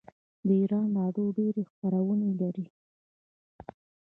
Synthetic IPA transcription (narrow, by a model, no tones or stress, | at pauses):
d̪əiɾɑnlɑɽoɖeɾexpaɾawənelaɾi